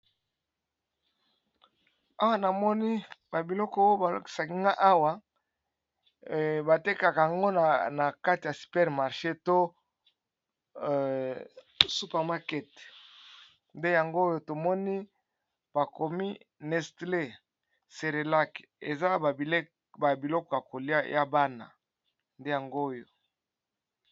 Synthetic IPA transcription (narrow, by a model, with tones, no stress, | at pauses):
a˦wa˦na˨mɔ˦ni˦ba˨bi˨lɔ˦kɔ˦o˦ba˨lo̰˨˦ki̥˨sa˨ki˦ŋɡa˦ʔa˦wa˨ | ba˨te˦ka˨ka˨a˨ŋɡo˦n˨na˨ka˦ti˨ja˨si̥˨pɛ˦ʁma˨ʁʃe˦to˦ | su˦pa˨ma˦kɛ˦t | nde˦ja˨ŋɡo˦o˦jo˦to˨mɔ˦ni˦ | b̥a˨ko˨mi˦ | nɛ˨stle˦˨ | se˨ʁe˨la˦ke˨za˦˨˦ | ba˨bi˨lɔ˦kɔ˨ja˨ko˨li˦a˦jʔa˦ba˦na̰˨ | nde˦ja˨ŋɡo˦o˦jo˨